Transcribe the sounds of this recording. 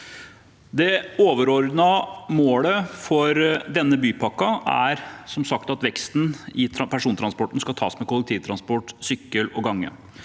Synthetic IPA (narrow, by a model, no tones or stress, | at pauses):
d̪ɛoːʋəɾɔɾd̪nɑmoːləfɔɾd̪ɛnːəbyːpʰɑkːɑæ̰ɾsɔmsɑkt̪ɑt̪ʋɛkst̪n̩ɪpʰæʂuːnt̪ʰɾɑnspɔʈn̩skɑt̪ʰɑːsmɛkʊlək̚t̪ʰiːʋt̪ɾɑnspɔʈsʏkːəlɔɡɑŋːə̰